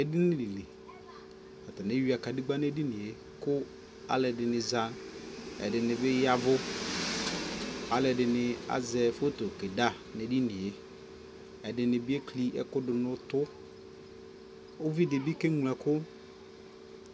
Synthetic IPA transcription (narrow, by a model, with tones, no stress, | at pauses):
ɛ˨dɪ˦nɪ̃˦li˨le˨ | a˨ta˨ne˦ɥi˨˦a˨ka˨dɪ˦ɡ͡ba˦n˦ɛ˦di˦nɪ̃˨e˨ | kʊ˦ | a̰˦lɛ˨dɪ˨nɪ̃˨za˦nɛ̰˨dɪ˨nɪ̃˨bɛ˦ja˦vʊ˦ | a˨lɛ˨dɪ˨nɪ̃˨a̰˨zɛ˨fo˦to˨ke˨da˦ | ne˨di˦nɪ̃˨e˦ | ɛ˨dɪ˨nɪ̃˨bɪ˦ɛ˦kʰli˦ʔɛ̰˦kʊ˦dɪ˨nʊ̃˦tʊ˦ | o˦vi˦dɪ˨bi˦kɛ˦ŋu˨lɛ̃˨kʰʊ˦